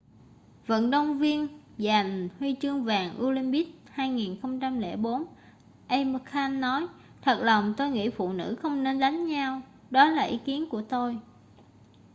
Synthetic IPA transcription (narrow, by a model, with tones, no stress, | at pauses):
və̰˧˨nɗə˧wŋ͡mvi˧ən | za˨˩jŋhwi˧t͡ɕɨ˧əŋvaː˨˩ŋʔu˧li˧mɓi˦˥k̚haː˧jŋi˨˩nxə˧wŋ͡mt͡ɕa˧mlɛ̰˧˩ɓo˨˦n | ʔə˧jmə˧kʰaː˧nːɔ˨˦j | t̪ʰə˨˩t̚lə˨˩wŋ͡mt̪o˧jŋḭ˧˥˩fṵ˧˨nɨ̰˧˥xə˧wŋ͡mne˧nɗa˨˦jŋ̟ɲa˧w | ɗɔ˨˦laː˨˩ʔi˨˦ki˨˦ənku˧˩ət̪o˧j